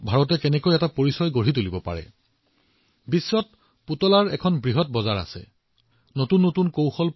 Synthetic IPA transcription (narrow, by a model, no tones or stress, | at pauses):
bʱaɹɔt̬ɛkɛnɛkojɛtapoɹisɔjɡoɹitolibɔpa̰ɹɛ̰ | bisːɔt̚ | putɔlaɹɛkʰɔnbɹiɦɔt̚bɔzaɹa̰sɛ̰ | notunːotunkowxɔl